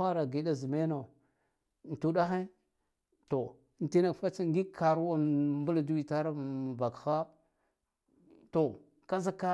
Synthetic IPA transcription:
a˦ɾa˨ɡi˨da˦zi˨me˦no˨ | n˨tu˦da˦xe˦ | to˨ | n˨ti˦na˦˨kfa˦t͡ʃa˦ŋɡi˦kʰa˨ɾu˦wa˦mbu˦la˨du˦wi˨ta˦ɾa˦˨ba˨kxa˦ | to˨ | ka˦za˦ka˦

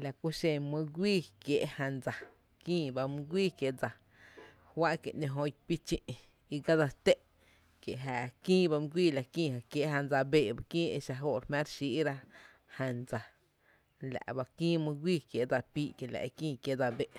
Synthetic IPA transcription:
la˨ku˦ʃẽ˧mũ˧ɡʷiː˦˨kje˨ʔhã˧nd͡za˨ | kĩː˦˨ba˧mũ˧ɡʷiː˦kje˨ʔd͡za˨ | hwa˦ʔke˨ʔɲẽ˧ɦõ˧jpi˦t͡ʃĩ˧ʔ | i˧ɡa˦d͡za˧t̪e˦˨ʔ | kje˨ʔɦaː˧˨kĩː˦ba˧mɨ̃˧ɡʷiː˦˨la˧kĩː˦˧˨ha˨kje˨ʔɦã˧nd͡za˧beː˧˨ba˧kĩː˦e˧ʃa˧ɦo˧˨ɾmã˦ɾʃi˧ʔɾa˦˧ | ha˧nd͡za˨ | la̰˨ʔba˧kĩː˦mũ˧ɡʷiː˦˧kje˨ʔd͡za˧piː˦ʔke˨la̰˨ʔkĩː˦˧kje˧˦d͡za˧be˨ʔ

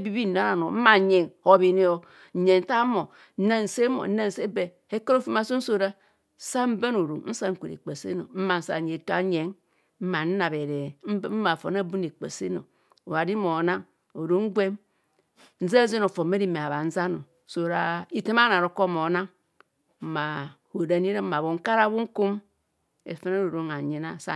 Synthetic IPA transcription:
e˦bi˦bi˦˨n˨a˨˦ɾa˨no˨m̩˦ma˨˦ɲe˨ŋho˨βi˨ne˦o˦˨ | ɲe˨n̩˦ta˦mo˨˦ | ne˦n̩˨se˦mo̰˨˦ne˦n̩˨se˦be˨ | e˦ke˦ɾo˦fi˦ma˦so˦n̩˦so˦ɾa˦ | sa˦m̩˦be˦no˨ɾo˨ŋn̩˦sa˦ŋ̩˦ku˨ɾḛ˨k͡pe˨sḛ˦no̰˨m̩˦ma˨n̩˨˦sa̰˨ɲe˨to˦a̰˦ɲe˨˦ŋ | m̩˦ma˨n̩˦na˨be˨ɾe˨˦m̩˦ma˨fo̰˨na˦bu˦ne˨k͡pḛ˨sḛ˦no̰˨ | o˨βa˨di˦mo˨na˦ŋ | o˨ɾo˨˦ŋ̩˦ɡʷe˦m | n̩˦za˦ze˦no˨fo˨me˦ɾi˦me˨a˨βa˨n̩˦za˦no˨so˨ɾa˦i˦te˦ma˦na˨ɾo˨˦ko˦mo˨na˦ŋ | m̩˦ma˨ho˨da˨ni˦ɾe˦ma˨βo˨ŋ̩˦ka˦ɾa˦bu˦ŋ̩˦ku˦m | ḛ˨fe˦ne˦ɾo˨ɾo˨ŋa˨ɲe˨na˦sa̰˦

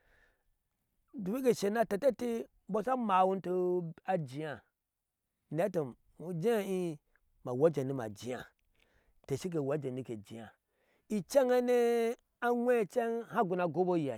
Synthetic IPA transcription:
du˨i˦ke˨ʃe˨na˦te˨te˦ti˦ | bo˦sa˦ma˨wu˦n˦to˦a˨d͡ʒi˨ja˨ | ne˨˦to˨ | u˨d͡ʒi˦a˦i˦ | ma˨wa˦d͡ʒe˨ni˦ma̰˨d͡ʒi˨ja̰˨ | te˨ʃi˦k̬e˨wa˦d͡ʒe˨ni˦ke˨d͡ʒi˨ja˨ | i˨t͡ʃe˦ŋe˦ne˦ | a˦ŋʷe˦˨t͡ʃe˦ŋha˦ɡu˨na˨ɡo˦bo˦ji˨a˨

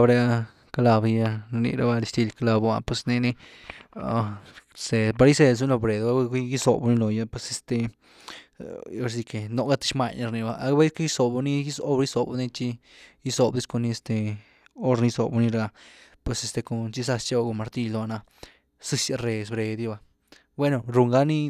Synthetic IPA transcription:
bɾe˧a˧ | ka˧la˧bja˧nḭ˧ɾa˧ba˧d̪i˧st̪i˧lka˧la˧ba̰˧pwe˧sne˧ne˧ | se˨ba˧ɾi˦se˧s̬u˦lo˧bɾe˨d̪a˦a˦ji˦so̰˨bu˧ni˧lo˨ja˦˧pwe˧se˧st̪e˧ | o˦ɾsi˧ke˨no˧ɡa˦˧t̪i̥˧ʃma˧ɲa˧ɾni˧˨ba˧ʔa˧˦ba˦ska˦ji˦so˨ba˧ni˦ji˦so˦bi˦so˨bni˧t͡ʃi˧ | ji˦so˨bd̪i˧˦sko˧ni˧e˧st̪e˧ | o˦ɾni˧so̰˨bu˧ni˧ɾa˧a˧pwe˧se˧st̪e˧ko˧˨t͡ʃi˦sa˧st͡ʃa˦ba˧ɡo˧˨ma˨ɾt̪i˧lo˧a˧na˧ | sɨ˧sa˧ɾe˧s̬bɾe˧d̪i˧ba˧ | bwe˦no˨ɾu˧ŋɡa˦ni˦

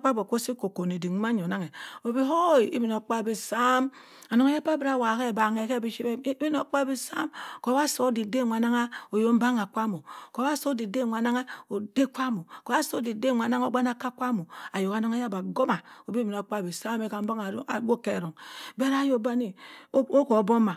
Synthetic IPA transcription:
k͡pa˦bo˨ko˦si˦ko˨ko˨n˨e˨di˨ŋ˦ma˦ɲ˨o˨na˦ŋe˨o˨bi˦ɦo˦˨i˦bi˨no˨k͡pa˦˨bi˨sa˦m | a˨no˨ŋa˦ja˦pa˦bi˦ɾa˨wa˨ke˦˨ba˨ŋe˨ke˦bi˦ʃi˦be˦bi˦no˨k͡pa˦bi˦sa˦mko˨˦ba˦so˦di˨de˦˨ŋʷa˨na˦ŋa˦o˨jo˦m̩˦ba˦ŋa˨kʷa˦mo˨ko˨˦ba˦so˦di˨de˦˨ŋʷ˨a˨na˦ŋa˦o˨de˦k͡pʷa˦mo˨ko˨˦a˦so˦di˨de˦˨ŋʷa˨na˦ŋo˨˦ɡ͡ba˦n˦a˦ka˦kʷa˦mo˨a˨jo˨ka˨no˦ŋa˦ja˦ba˨ɡo˦ma˨o˨bi˦bi˨n˨a˨k͡pa˦˨bi˨sa˦me˦ka˨m̩˦ba˦ŋ˨˦a˨ɡo˦ke˦˨ɾo˨ŋbe˦ɾa˦jo˦ba˦ni˨˦o˦ko˨˦bo˦mːa˨

